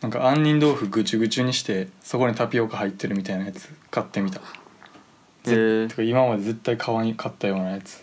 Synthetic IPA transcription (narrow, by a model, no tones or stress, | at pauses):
nãŋka̰ãɲ̟ːĩnd̪o̞ːɸɯ̟ɡɯ̟t͡ɕɨɡɯ̟t͡ɕɨɲ̟iɕi̥t̪e̞so̞ko̞ɲ̟it̪apʲijo̞ːkahait̪ːe̞ɾɯ̟mʲit̪ainajat͡sɨ̥kat̪ːe̞mʲit̪ḁ | eekaimamad̪e̞ze̞t̪ːaikʰaβaɲ̟ikʰat̪ːajo̞ːnajat͡sɨ̥